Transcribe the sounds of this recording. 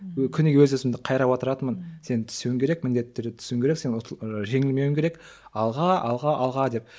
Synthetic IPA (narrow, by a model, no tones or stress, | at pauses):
kʲʰʏnɡʲwɵzɵsɪmd̪ɪqʰɑjɾɑwot̪əɾɑt̪əmənse̞nt̪ʰʏ̥sewɪŋkʲʰe̞ɾe̞kmɪnd̪e̞t̪ːeɾd̪ɪt̪ʰʏ̥sewɪŋkʲeɾekse̞nʒe̞ŋɪlme̞wɪŋkʲeɾek | ɑlˠʁɑɑlˠʁɑʔɑlˠʁɑd̪e̞p̚